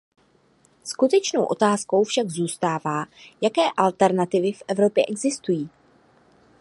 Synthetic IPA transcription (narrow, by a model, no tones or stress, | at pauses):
skut̪ɛt͡ʃnowʔo̞t̪aːsko̞wfʃaɡzuːst̪aːvaːjakɛːʔalt̪ɛɾnat̪ɪvɪfʔɛvɾo̞pjɛʔɛɡzɪst̪ujiː